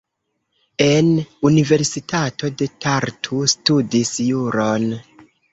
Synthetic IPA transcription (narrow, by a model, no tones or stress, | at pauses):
e̞nunive̞ɾsitʰato̞de̞tʰaɾtʰustudisjuɾon